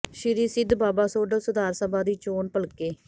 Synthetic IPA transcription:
ʃɪɾiːsɪd̪baːbaːsoːɖəsʊd̪aːɾsəbʱaːd̪iːt͡ʃoːnpəlkeː

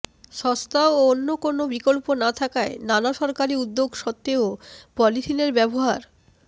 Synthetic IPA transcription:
ʃɔst̪aooonːokonobikolponat̪ʰakaenanaʃɔɾkaɾiud̪ːoɡʃɔt̪ːeopɔlitʰineɾbɛboɦaɾ

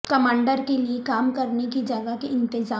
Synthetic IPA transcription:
kɐmãːɳɖəɾkeliekaːmkɐɾnekid͡ʒɐɡakeɪ̃nt̪ɪzaː

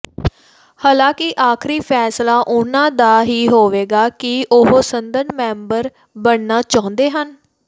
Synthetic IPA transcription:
haːlãːkɪʔaːkʰɾiːpʰɛːslaːʔʊnãːd̪aːɦiːɦoːʋeːɡaːkɪʊɦoːsənd̪ənmɛ̃ːmbəɾ | bəɽnaːt͡ʃaːʊ̃nd̪eːɦən

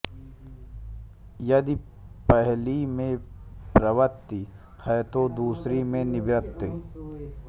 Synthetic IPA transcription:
jɐd̪i | pəɦlimẽpɾɐʋət̪ːi | hɐjt̪od̪uːsɾimẽnibɾɐt̪ːi

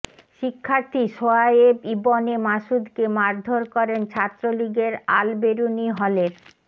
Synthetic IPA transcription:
ʃikʰːaɾt̪iʃoajebibonemaʃud̪kemaɾd̪ʱoɾkɔɾent͡ɕʰat̪ːɾoliɡeɾa̰lbeɾuniɦɔleɾ

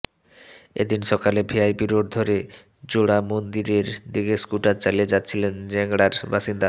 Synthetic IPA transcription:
ḛd̪inʃɔkalebʱiajpiɾoɖd̪ʱoɾe | d͡ʑoɽamond̪iɾeɾd̪iɡeskulʈat͡ɕalied͡ʑatːɕʰilend͡ʑɛŋɽaɾbaʃind̪a

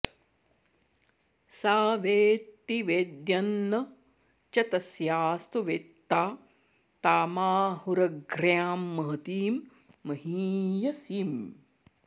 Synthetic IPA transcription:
saːʋeːt̪ːiʋeːd̪jɐnːɐ | t͡ʃɐt̪ɐsjaːst̪uʋet̪ːaː | t̪aːmaːɦuɾɐɡɾjaːmːɐɦɐt̪iːmː | ɐɦiːjɐsiːm

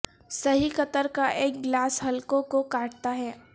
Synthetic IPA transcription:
sɐɦixɐt̪əɾkaʔeːk̚ɡlaːsɦɐlkõkokaːʈ̚t̪aɦɛː

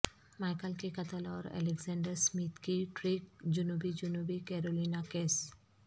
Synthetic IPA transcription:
maːɪkəlkikɐt̪əlɔːɾɛ̰ːleɡzɛ̃ːɳɖəɾsmiːt̪kiʈɾiːk̚d͡ʒʊnuːbid͡ʒʊnuːbikɛːɾoːliːnakeːs

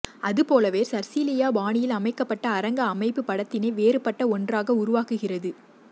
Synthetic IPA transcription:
ɐðɯpoːlɐʋeːɾsɐɾsiːlɪjaːbaːnɪjɪlɐmɐɪkːɐpːɐʈːɐːɾɐŋɡɐːmɐɪpːɯpːɐɽɐt̪ːɪneːʋeːɾɯpːɐʈːɐɔndraːɣɐʊɾʊʋaːkɯɣɪrɐðɯ

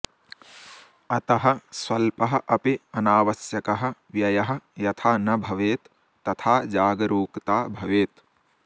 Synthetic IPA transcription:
ɐt̪ɐɦɐswɐlpɐɦɐʔɐpiɐnaːʋɐsjɐkɐɦɐ̆ʋjɐjɐɦɐ̆jɐt̪ʰaːnɐbʱɐʋeːt̪ː | ɐt̪ʰaːd͡ʒaːɡɐɾuːkt̪aːbʱɐʋeːt̪

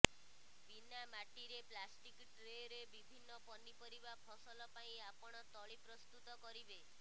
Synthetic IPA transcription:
binamaʈiɾeplasʈikʈɾejɾebibʱinːɔpɔnipɔɾibapʰɔsɔlɔpaĩapɔɽ̃ɔt̪ɔɭipɾɔst̪ut̪ɔkɔɾibe

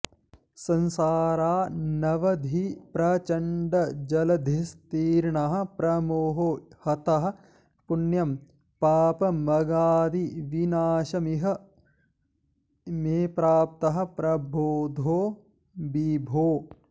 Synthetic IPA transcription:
sɐnsaːɾaːnɐʋɐd̪ʱipɾɐt͡ʃɐɳɖɐd͡ʒɐlɐd̪ʱist̪iːɾɳɐɦɐ̆pɾɐmoɦohɐt̪ɐɦɐ̆ | punjɐm | paːpɐmɐɡaːd̪iʋinaːʃɐmiɦɐ̆ | meːpɾaːp̚t̪ɐɦɐ̆pɾɐboːd̪ʱoː | bibʱoː

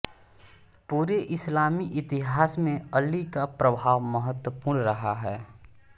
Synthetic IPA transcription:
puːɾeʔɪslaːmiʔɪt̪ɪɦaːsmẽəlːikapɾɐbʱaːʋməɦət̪wəpuːɽ̃ɾɐɦaɦɛː

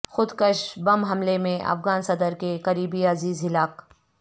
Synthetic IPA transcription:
xʊd̪kəʃbɐmɦɐmlemẽʔɐ̰fɣaːnsɐd̪əɾkekɐɾiːbiɐziːzɦɪlaːk

